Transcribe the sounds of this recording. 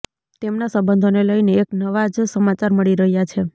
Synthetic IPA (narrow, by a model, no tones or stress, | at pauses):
t̪emnasəbənd̪ʱoneləjneːknəʋad͡ʒsəmat͡ʃaɾməɭiɾəɦjat͡ʃʰe